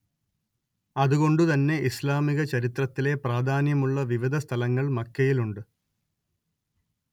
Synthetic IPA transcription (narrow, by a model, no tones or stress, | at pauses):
ɐðuɣo̞ɳɖut̪ɐnːe̞islaːmiɣɐt͡ɕɐɾit̪rɐt̪ːile̞praːd̪ʱaːnjɐmuɭːɐʋiʋid̪ʱɐst̪ʰɐlɐŋːɐɭmɐkːɐjiluɳɖɨ